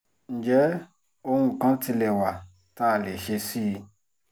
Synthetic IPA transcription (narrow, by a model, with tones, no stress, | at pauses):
n̩˨d͡ʒɛ˨˦ | o˧hũ˧kã˦ti˧lɛ˨wa˨ | ta˦˨le˨ʃe˧si˦˧